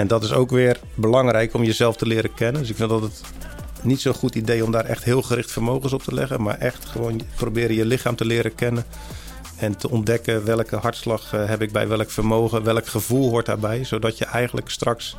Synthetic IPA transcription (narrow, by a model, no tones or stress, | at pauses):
ɛndɔtɪso̰wkʋɪːr | bəlɑŋɾɛjkɔmjəzɛlˠftəlɪːɾəkɛnəndɵs̬ɪkfɪndɔtət | nitsowχutidejɔmdaːɾʔɛ̰χtɦɪːlˠχərɪχtfərmowχəns̬ɔp̚tʰəlɛ̰ɣənma̰ːɹʔɛχtχəʋoːnprobɪːɾəjəlɪχaːmtəlɪːɾəkɛnən | ɛntəɔndɛkəʋɛlˠkəɦɑɹtslɑχɦɛpɪɡ̚bɛ̰jʋɛlˠəkfərmowɣəʋɛlˠkχəvulˠɦʊɹt̚da̰ːbɛjzowdɔtjəʔɛjχənləkstrɑks